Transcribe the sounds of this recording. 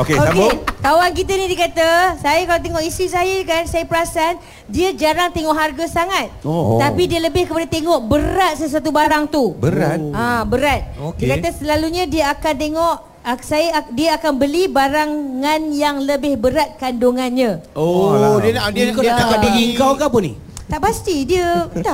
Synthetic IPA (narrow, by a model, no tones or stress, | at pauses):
okeoakk̪awank̬it̪anidikat̪asajakalat̪eŋɔʔisɾis̬ajəkansajapəɾasan | diəd͡ʒaɾaŋt̪eŋɔʔɦarɡasaŋat̪̚t̪apidiələbɪhkəpadat̪eŋɔʔbəɾat̪̚səs̬uat̪̬ubaɾaŋt̪ubəɾat̪̚abəɾat̪̚okikat̪asəlaluɲãdiəakant̪eŋɔʔ | sajadiəakanbəlibaɾaŋːanjaŋləbɪhbəɾat̪̚kandoŋanɲão | diət̪akabiɡiəŋkawkapʊnḭ | t̪aʔpast̪idiə